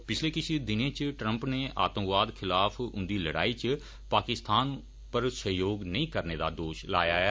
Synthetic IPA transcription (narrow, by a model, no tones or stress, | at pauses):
pɪt͡ʃʰleːkɪt͡ʃʰid̪ɪnẽːt͡ʃʈɾə̃mpneːʔa̰ːt̪ə̃mʋaːd̪kʰɪlaːpʰʊ̰nd̪iːləɽa̰ːiːt͡ʃ | paːkɪst̪aːn | pəɾsəɦjoːɡnəĩːkəɾneːd̪a̰ːd̪oːʃla̰ːjaːɛː